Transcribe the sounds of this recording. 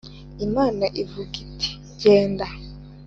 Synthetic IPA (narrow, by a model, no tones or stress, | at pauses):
imaːnaʔivuki̥tʰi̥ | ɟeːnda